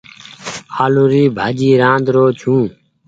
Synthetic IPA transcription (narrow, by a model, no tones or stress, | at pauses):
aːluɾiːbʱaːd͡ʒiːɾãːnd̪ɾoːt͡ʃʰũː